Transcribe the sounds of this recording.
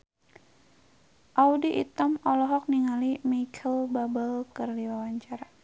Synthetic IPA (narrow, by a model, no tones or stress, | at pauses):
ʔaudiʔḭt̪əmɔlɔɦɔk̚niŋalimakʰəlbabəlkərdiwawaɲt͡ʃaɾa